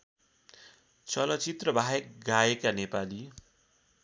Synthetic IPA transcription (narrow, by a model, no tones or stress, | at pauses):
t͡sʌlʌt͡sit̪rʌbʱaek̚ɡaekanepali